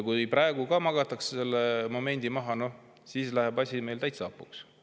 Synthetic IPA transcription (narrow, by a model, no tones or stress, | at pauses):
kuprɑe̞ɡ̥ukɑmɑɡ̥ɑt̪ːˑɑksse̞lːemo̞me̞nʲd̪̥imɑɦɑno | siːslæhebɑsʲime̞jlt̪æjt̪seɑpːˑṵks